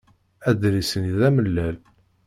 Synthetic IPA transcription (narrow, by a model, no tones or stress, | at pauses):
æd̪ɾisəniðæməlːæl